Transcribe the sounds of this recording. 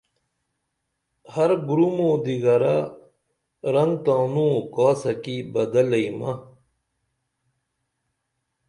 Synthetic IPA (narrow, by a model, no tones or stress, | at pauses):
hɐɾɡɾumõːd̪iɡɐɾa | ɾɐŋɡt̪ãːnũːkaːsɐkibɐd̪ɐlɐimɐ